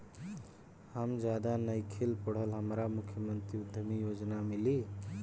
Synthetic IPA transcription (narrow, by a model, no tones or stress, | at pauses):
həmd͡ʒad̪anəjkʰelpəɽ̤əlɦəmɾamukʰjəmənt̪ɾiud̪ʱəmijod͡ʒnamili